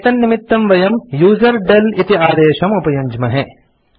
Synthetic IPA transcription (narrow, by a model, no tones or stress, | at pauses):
t̪ɐnːimit̪ːɐmʋɐjɐmjuːzɐɾɖɐlit̪iaːd̪eːʃɐmupɐjɐɲd͡ʒmɐɦe